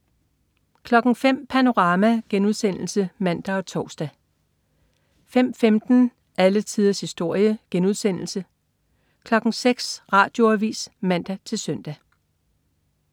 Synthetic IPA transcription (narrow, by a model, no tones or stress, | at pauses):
kʰlɒ̽ɡ̥ŋ̩fem̰pʰæno̝ʁɑ̈ːmæɡ̥enuð̞ˠsen̰l̩səmæn̰d̥æɒ̽t͡sʰɒʊsd̥æ | fem̰femd̥n̩ | ælət͡sʰiːð̞ˠɐshisd̥o̝ɐ̰jəɡ̥enuð̞ˠsen̰l̩sə | kʰlɒ̽ɡ̥ŋ̩seɡ̥sʁɑ̈ːd̥jo̝æʋḭːsmæn̰d̥æt͡sʰe̝lsœn̰d̥æ